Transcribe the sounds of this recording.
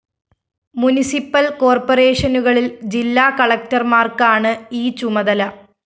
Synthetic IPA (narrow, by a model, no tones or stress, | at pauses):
munisipːɐlko̞ːrporeːʂɐnuɣɐɭild͡ʑilːaːkɐɭɐk̚tɐrmaːrkaːɳɨiːt͡ɕumɐðɐlɐ